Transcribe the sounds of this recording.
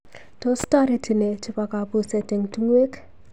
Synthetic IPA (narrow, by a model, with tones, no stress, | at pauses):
to˦sta˦ɾi˨tʰɪ˨ne˨t͡ʃɪ˦pa˨ka˨bu˦sɛ˨tɪ˨ŋtu˦ŋwe˦k